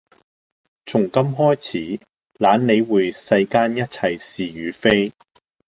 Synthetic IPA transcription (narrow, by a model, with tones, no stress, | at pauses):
t͡sʰʊ˨˩ŋkɐ˥mɦɔː˥jt͡sʰiː˨˥ | laː˨˧˥nne˨˧jwuː˨˧jsɐ˧jkaː˥njɐ˥t̚t͡sʰɐ˨˧jsiː˨˩jyː˨˧fe˥j